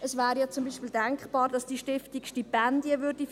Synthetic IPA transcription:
ʔəsvæːɾjat͡sʊmbiːʃpiːldɛŋkχb̥ɑːɾdɑsd̥iʃtɪftikʃtipɛndjəvʏɾd̥i

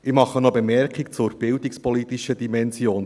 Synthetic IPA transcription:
ɪmɑχənobemɛɾkikt͡sʊɾb̥ɪld̪ikspɔlit̪iʃədimɛnzjoːn

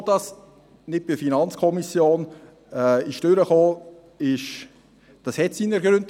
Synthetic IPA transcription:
d̥ɑs | nɪd̚b̥ɪfinɑnt͡skʰɔmisjoːn | ɛɪʃd̥øɾəχoː | ɪʃ | d̥ɑshɛtsiːnəɾɡɾʏnt

